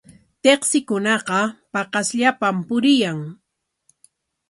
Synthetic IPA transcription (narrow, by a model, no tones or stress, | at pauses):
t̪eχsɪkʊnɑqɑpɑqɑsʎapampʊɾɪjaŋ